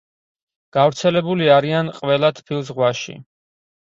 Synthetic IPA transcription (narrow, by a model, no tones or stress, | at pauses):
ɡ̥avɾt̪sʰɛlɛbuliaɾianqʼvɛlˠat̪ʰpʰilˠzʁwaʃḭ